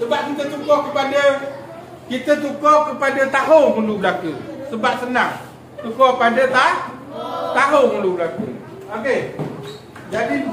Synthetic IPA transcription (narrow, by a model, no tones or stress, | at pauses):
səbaʔ̚kit̪ət͡ʃukɔʔkəpadə | kit̪ət͡ʃukokəpadət̪aɦoŋməlublakusəbaʔ̚sənaŋ | t͡ʃukopadət̪ah | t̪aɦoŋməlubəlakṵ | oke | d͡ʒadi